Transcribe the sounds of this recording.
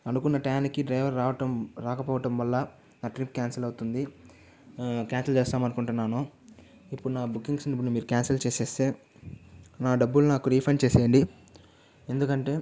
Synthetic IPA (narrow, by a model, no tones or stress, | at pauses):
ɐnukunːɐʈaːnikiɖɾɐjʋɐɾaːʋɐʈɐmɾaːkɐpɔːʋɐʈɐmʋɐlːɐ | naːʈɾip̚kaːnsɐlɐwut̪und̪i | kaːnsɐlt͡ʃeːst̪aːmɐnukuɳʈunːaːnu | ipːuɽunaːbukːiŋɡsnipːuɽuimiːɾukaːnsɐlt͡ʃeːseːst̪e̞ː | naːɖɐbːulunaːkuɾiːpʰɐnt͡ʃeːseːɳɖi | e̞nd̪ukɐɳʈe̞ː